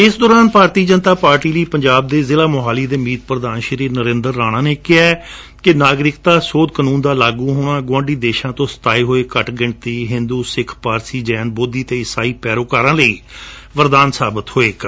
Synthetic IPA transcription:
ɪsd̪ɔːɾaːnpaːɾt̪iːd͡ʒənt̪aːpaːɾʈiːləiːpəɲd͡ʒaːb̚d̪eːzɪːlaːmoɦaːliːd̪eːmiːt̪̚pɾəd̪aːnʃəɾiːɾnəɾẽːnd̪əɾːaːɽ̃ãːneːkɪaː | kɪnaːɡɾɪkt̪aːsoːd̪kənũːnd̪aːlaːɡuːɦoːɽ̃ãːɡʋãːɳɖiːd̪eːʃãːt̪õːst̪aːeːɦoːeːkəʈɡɪɳt̪iːɦɪ̃nd̪uːsɪkʰpaːɾsiːd͡ʒɛːnboːd̪iːt̪eːɪsaːiːpɛːɾoːkaːɾãːləiː | ʋəɾd̪aːnsaːbət̪hoːeːk

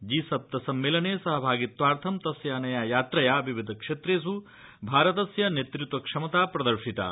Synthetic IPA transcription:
d͡ʒiːsɐp̚t̪ɐsɐmːeːlɐneːsɐɦɐbʱaːɡit̪ʋaːɾt̪ʰɐmt̪ɐsjaːnɐjaːjaːt̪ɾɐjaːbʱiʋid̪ʱɐkʂeːt̪ɾeːs̬u | bʱaːɾɐt̪ɐsjɐnet̪ɾut̪ʋɐkʂɐmɐt̪aːpɾɐd̪ɐɾʂit̪a̰ː

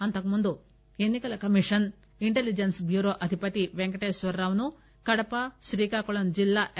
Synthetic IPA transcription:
ɐnt̪ɐkɐmund̪u | enːikɐlɐkɐmiʂɐn | iɳʈelid͡ʒensbjuːɾoːʔɐd̪ʱipɐt̪iʋeŋkɐʈeːsʋɐɾɾɐːʋɐnu | kɐɽɐpɐʃɾiːkaːkɔɭɐnd͡ʒilːaʔ

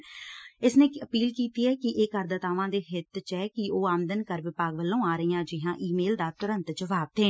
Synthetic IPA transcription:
ɪsnẽːəpiːlkiːt̪iːɛːkɪʔeːkəɾd̪ət̪aːʋãːd̪eːɦɪt̪t͡ʃɛːkɪoːaːmd̪ənkəɾʋɪpaːɡʋəlːõːaːɾəiːjãːd͡ʒɪɦãːʔiːmeːld̪aːt̪ʊɾə̃nt̪d͡ʒəʋaːb̚t̪ẽː

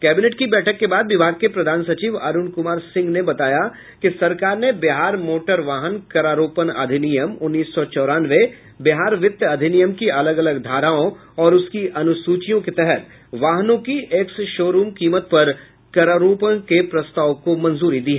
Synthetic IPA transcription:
kɛːbɪneːʈkibɛːʈʰəkːebaːd̪ʋɪbʱaːɡ̚kepɾɐd̪ʱaːnsɐt͡ʃiːʋa̰ːɾʊnkʊmaːɾsɪ̃ŋɡnebɐt̪aːja | kisɐɾkaːɾnebɪɦaːɾmoːʈəɾʋaːɦənkɐɾaːɾoːpəna̰ːd̪ʱɪnijəmʊnːiːsːɔt͡ʃɔːɾaːnʋe | bɪɦaːɾʋɪt̪ːɐd̪ʱɪnijəmkiɐləɡɐləɡd̪ʱaːɾaːõ | ɔːɾʊskiʔɐnʊsuːt͡ʃijõket̪ɛɦɛt̪̚ | ʋaːɦənõkiʔɛksʃoːɾuːmkiːmət̪̚pɐɾ | kɐɾaɾuːpənkepɾɐst̪aːʋkomɐ̃nzuːɾid̪iːɦɛː

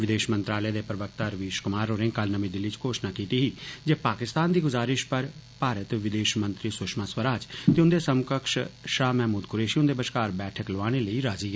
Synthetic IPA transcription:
ʋɪd̪eːʃmənt̪ɾaːləjaːd̪eːpɾəʋək̚t̪aɾəʋiːʃkʊmaːɾoːɾẽːŋkəlnəmĩːd̪ɪlːiːt͡ʃkoːʃnaːkiːt̪iːɦiːd͡ʒeːpaːkɪst̪aːnd̪iːɡʊzaːɾɪʃpəɾ | paːɾət̪ʋɪd̪eːʃmə̃nt̪ɾiːsʊʃmaːswəɾaːd͡ʒt̪eːʊ̃nd̪eːsəmkəkʃʃaːmɛɦmuːd̪kʊɾeːʃiõnd̪eːbəʃkaːɾbɛːʈʰəkloaːɽ̃eːləiːɾaːziːɡɛː

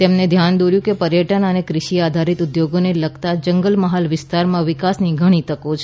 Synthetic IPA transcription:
t̪emned̪ʱjand̪oɾjũkepəɾjəʈənənekɾɪʃiad̪ʱaɾit̪ʊd̪joɡoneləɡt̪ad͡ʒəŋɡəlməɦalʋɪst̪aɾmãʋɪkasniɡʱəɽ̃it̪əkot͡ʃʰ

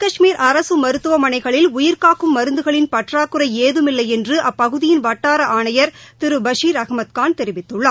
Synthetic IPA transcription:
kɐʂmiːɾʔɐɾɐsɯmɐɾɯt̪ːɯʋɐmɐnɐɪɣɐɭɪlʊjɪɾkaːkɯmːɐɾɯnd̪ɯɣɐɭɪnpɐʈraːkːɯɾɐɪeːðɯmɪlːɐɪɛndrɯʔɐpːɐɣɯðɪjɪnʋɐʈːaːɾɐʔaːɳɐjɐɾt̪ɪɾɯbɐʂiːɾɐɣɐmɐt̪̚kaːnt̪ɛɾɪʋɪt̪ːɯɭːɐ

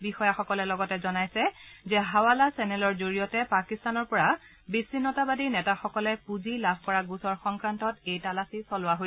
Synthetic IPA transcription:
bixɔjaxɔkɔlɛlɔɡɔtɛzɔnajsɛzɛɦawalasɛnɛlɔɹzoɹijɔtɛpakistanɔɹpɔɹa | bisinːɔtabadiɹnɛtaxɔkɔlɛpuzilabʱkɔɹaɡusɔɹxɔŋkɹantɔtejtalasisɔlʊwaɦoj

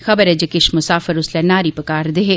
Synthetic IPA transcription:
xɐbəɾɛd͡ʒekɪʃmʊsaːfəɾʊslɛnaːɾipɐkaːɾd̪eɦeː

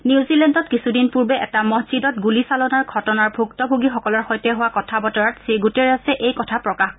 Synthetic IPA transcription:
niuzilɛndɔt̚kisudinpuɹbɛʔɛtamɔɦzidɔt̚ɡulisalɔnaɹɡʱɔtɔnaɹbʱuktɔbʱuɡixɔkɔlɔɹxɔjtɛɦʊwakɔtʰabɔtɔɹatsiɡutɛɹasɛʔejkɔtʰapɹɔkaxk

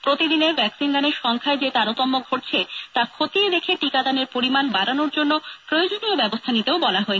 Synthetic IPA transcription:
pɾot̪id̪ineɾbʱɛksinɡ̪aneɾʃɔŋkʰaed͡ʑet̪aɾot̪ɔmːoɡʱoʈ̚t͡ɕʰet̪akʰot̪ied̪ekʰeʈikad̪aneɾpoɾimanbaɾanoɾd͡ʑonːopɾojod͡ʑoniobɛbost̪ʰanit̪eobɔlaɦɔe

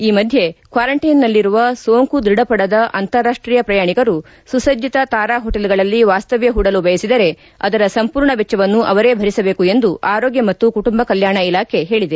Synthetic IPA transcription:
iːmɐd̪ʱjekʋaːɾɐɳʈinːɐlːiɾuʋɐsoːŋkud̪ɾiɽɐpɐɽɐd̪ɐʔɐ̰nt̪ɐɾːaːʂʈɾijɐpɾɐjaːɳikɐɾu | susɐd͡ʒit̪ɐt̪aːɾaːɦɔʈelɡɐɭɐlːiʋaːst̪ɐʋjɐɦuɽɐlubɐjɐsid̪ɐɾe̞ | ɐd̪ɐɾɐsɐmpuːɾɳɐbɛt͡ʃːɐʋɐnːuʔɐʋɐɾe̞ːbʱɐɾisɐbe̞ːkue̞nd̪uʔaːɾo̞ːɡjɐmɐt̪ːukuʈumbɐkɐljaːɳɐilaːkʰe̞ɦe̞ːɭid̪e

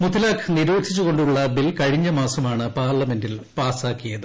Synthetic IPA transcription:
mut̪ːilaːkʰniɾuːt̪ʰːit͡ɕːuɣo̞ɳɖuɭːɐbilkɐɻiɲːɐmaːsɐmaːɳɨpaːrɭɐme̞ndilpaːsaːkːijɐðɨ

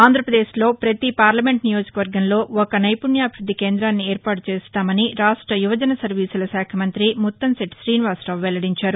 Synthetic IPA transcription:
aːnd̪ʱɾɐpɾɐd̪eːslo̞ːpɾɐt̪ipaːɾlɐme̞ɳʈnijo̞ːd͡ʒɐkɐʋɐɾɡɐnlo̞ːɔkɐnɐjpunjaːbʱiɾud̪ːikeːnd̪ɾaːnːieːɾpaːʈut͡ʃeːst̪aːmɐniɾaːʂʈɾɐjuʋɐd͡ʒɐnɐsɐɾʋiːsulɐsaːkʰɐmɐnt̪ɾimut̪ːɐnseʈʃɾiːnʋaːsʈɐːʋʋɛlɐɽiɲt͡ʃaːɾu

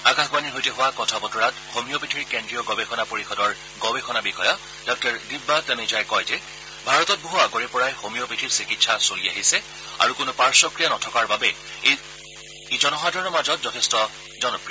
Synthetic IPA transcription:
aɡaxbaniɹɦojteɦʊwakɔtʰabɔtɔɹatxomijɔpitʰiɹikendɹijɔɡɔbexʰɔnapoɹixɔdɔɹ | ɡɔbɛxɔnabixɔjɔ | d̥ɔk̚taɹdibːatanezajkɔjzɛ | bʱaɹɔtɔt̚boɦuaɡoɹɛpɔɹajxomijɔpitʰiɹsikitsasoliaɦisɛ | a̰ɹukʊnʊpaɹsɔkɹijanɔtʰɔkaɹbabɛ | e | id͡ʒɔnɔxadʱɔɹɔnɔɹmazɔtzɔtʰestɔ | zɔnɔpɹijɔ

